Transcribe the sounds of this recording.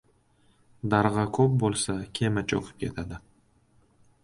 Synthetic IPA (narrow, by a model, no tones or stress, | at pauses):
d̪aɾʁɑkʰɵp̚bolˠsakʲʰemat͡ʃʰo̰qʰɨ̥p̚kʲʰe̞̰t̪ʰad̪ɪ